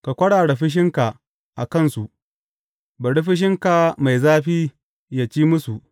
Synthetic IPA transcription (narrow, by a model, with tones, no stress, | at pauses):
ka˨kʷɐ˦ɽaː˨ɽe˨ɸɪ˦ʃ̬ɪ˦ŋka˨ʔ | ʔa̰˨kɐ˦˨nsu˨ʔ | bɐ˨ɽi˦ɸɪ˦ʃ̬ɪ˦ŋka˨ma˨jzaː˦ɸiː˦ | ja˨t͡ʃiː˦mʊ˦su˨ʔ